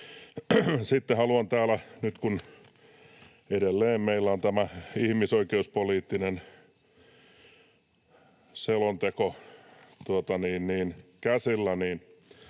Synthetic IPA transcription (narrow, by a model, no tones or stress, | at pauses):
sit̪ːehɑluɑnt̪æːlænyt̪kun | edelːeːmmeilːæont̪æmæihmisoikeuspoliːt̪ːinen | selont̪eko | t̪uot̪ɑniːnniːnkæsilːæniːn